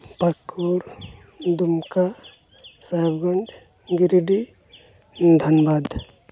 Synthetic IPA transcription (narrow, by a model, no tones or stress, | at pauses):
pakʰuɾ | d̪umka | sajbɡɔnd͡ʒ | ɡiɾiɖi | d̪ʱənbad̪